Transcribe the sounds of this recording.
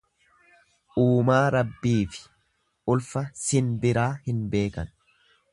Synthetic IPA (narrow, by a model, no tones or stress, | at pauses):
ʔuːmaːɾɐbːiːfɪ̥ | ʔʊlfɐsɪnbɪɾaːhɪnbe̞ːkɐ̰n